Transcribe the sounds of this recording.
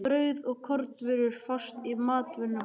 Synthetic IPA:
pɾœːɥðɔɣkʰɔɾt̪vɪɾʏɾ̥fɔ̥st̪imaːt̪vʏnːʏ

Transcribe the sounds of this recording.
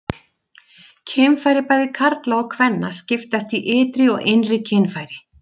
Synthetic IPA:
cʰeːmfaːjɾɪpaːjðɪkʰaɾt̪laawkʰvɛnːascɪft̪ast̪iʔɪːt̪ɾɪɔɣenrɪcʰeːnfaːjɾɪ

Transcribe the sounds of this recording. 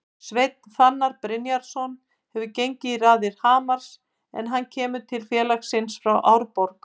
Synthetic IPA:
svejt̪̚nθanːaɾpɾɪnjaɾ̥sɔn | hɛvʏcejɲcɪiraːðɪɾ̥haːmaɾ̥s | ɛ̰nɦanːcʰɛːmʏt̪ʰɪlfjɛːlaxsɪnsfɾawʔawɾpɔɾk

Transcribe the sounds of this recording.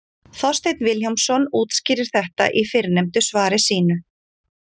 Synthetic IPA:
θɔst̪ejt̪nvɪljawmsɔnuːt̪scɪːɾɪɾ̥θɛht̪a̰ʔifɪɾnejmt̪ʏsvaːɾɪsiːnʏ

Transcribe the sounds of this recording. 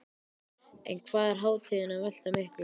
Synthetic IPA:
ɛ̰nkʰvaːðɛɾ̥ɦaːwt̪ʰɪðɪnaval̥t̪amɪhkl

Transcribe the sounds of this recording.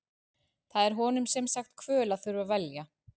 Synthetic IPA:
θaðɛɾ̥ɦɔnʏmsɛmsaxt̪kʰvœːlaðθʏɾvavɛlja

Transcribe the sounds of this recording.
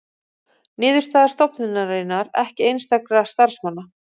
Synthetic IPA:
nɪːðʏɾ̥st̪aːðḁst̪ɔpnɪnarejnaɾɛhcɪejnst̪akɾast̪aɾ̥smanːa

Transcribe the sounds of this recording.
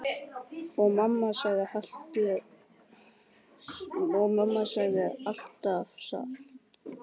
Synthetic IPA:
ɔɣmamːasaːɣɪhal̥t̪ɪ | ɔɣmamːasaːɣðɪal̥t̪afsa̰

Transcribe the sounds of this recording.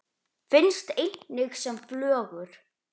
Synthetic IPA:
fɪnst̪ejt̪nɪxsɛmflœːɣʏɾ̥

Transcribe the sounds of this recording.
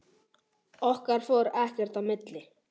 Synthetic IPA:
ɔhkaɾ̥foɾɛhkɛɾ̥t̪amɪt̪lɪ

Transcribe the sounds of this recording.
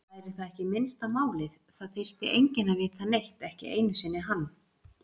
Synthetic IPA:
ajɾɪθaðɛhcɪmɪnst̪amaːwlɪð | θaðt̪ʰejr̥t̪ɪ̰ʔejɲcɪnavɪːt̪θanejht̪ɛhcɪ̰ʔḛːjnʏsɪnːɪɦanː

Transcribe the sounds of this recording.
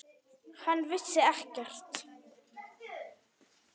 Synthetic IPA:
hanːvɪsːɪɛhcɛr̥t̪

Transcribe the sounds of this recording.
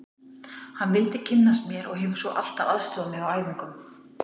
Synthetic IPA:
hanːvɪlt̪ɪcʰɪnːast̪mjɛɾɔɣɦɪvʏɾ̥sɔʔa̰l̥t̪avaðst̪ʏðamɪɣawaːjvɪŋkʏm

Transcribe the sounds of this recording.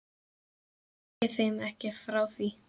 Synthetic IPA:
ɪθejmɛhcɪfɾawθi

